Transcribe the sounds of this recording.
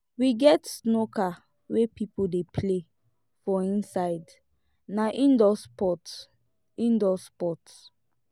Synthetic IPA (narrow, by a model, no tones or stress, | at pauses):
wiɡɛtsnokʰa | wepʰipodepʰle | fɔĩnsaɪd | naʔĩndɔspɔt | ĩndɔspɔt